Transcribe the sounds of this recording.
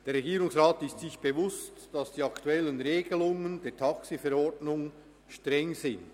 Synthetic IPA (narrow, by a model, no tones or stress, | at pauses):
d̥eːɾrːeɡiːɾʊŋsʁaːtɪstsɪçb̥evʊstd̥ɑsd̥iːɑktuɛlənɾeːɡəlʊŋəndeːtʰɑksifɛɾɔɾdnʊŋ | ʃtʁɛŋzɪnd